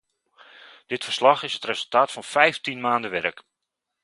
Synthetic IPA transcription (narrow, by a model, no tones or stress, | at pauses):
d̥ɪtfər̥slɑχɪsɦətrezəlˠtaːtfɑnfɛjftinmaːndəʋɛrək